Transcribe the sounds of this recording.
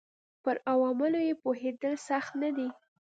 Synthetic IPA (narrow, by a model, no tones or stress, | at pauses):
pəɾawɑmɪlojepoɦed̪əlsaxt̪nad̪i